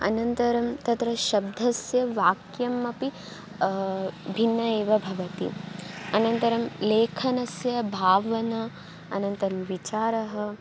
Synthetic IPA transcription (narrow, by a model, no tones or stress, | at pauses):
ɐ̰nɐnt̪ɐɾɐmt̪ɐt̪ɾɐʃɐb̚d̪ʱɐsjɐʋaːkjɐmːɐpi | bʱinːɐeːʋɐbʱɐʋɐt̪ḭɐnɐnt̪ɐɾɐmleːkʰɐnɐsjɐbʱaːʋɐnɐ | ɐnɐnt̪ɐɾɐmʋit͡ʃaːɾɐɦɐ